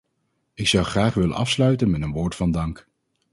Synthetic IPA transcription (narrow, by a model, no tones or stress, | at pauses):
ɪksʌwχraːχʋɪlə̰nʔɑfslœɥtənmɛtənʋʊːɹtfɑndɑŋk